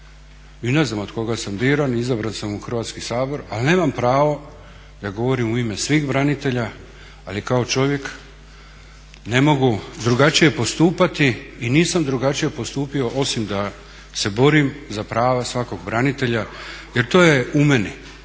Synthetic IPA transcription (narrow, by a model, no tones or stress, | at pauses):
ineznamo̞d̪ko̞ɡasambiːɾanizabɾansamuxr̩ʋaːt̪skisaːbo̞ɾalne̞ːmampɾaːʋo̞ | d̪aɡo̞ʋo̞ɾimuime̞sʋiːxbɾanit̪e̞ʎa | alikao̞t͡ʃo̞ʋje̞k | ne̞mo̞ɡud̪ɾuɡat͡ʃije̞po̞st̪uːpat̪iːniːsamd̪ɾuɡat͡ʃije̞post̪uːpio̞ʔo̞simd̪a | se̞bo̞ɾimzapɾaːʋasʋako̞ɡbɾanit̪e̞ʎaje̞ɾt̪o̞ːjeume̞ni